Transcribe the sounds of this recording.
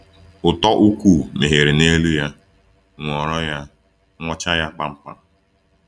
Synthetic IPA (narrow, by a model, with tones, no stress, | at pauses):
ʊ˨tɔ˦ʔu˦kʷu˦˨me˨ɦe˨ɾɪ˨ne˦lu˦ja˦ | ŋʷɔ˨ɾɔ˦ja˦ | ŋʷɔ˦t͡ʃa˦ja˦k͡pa˦m̩˦pa̰˨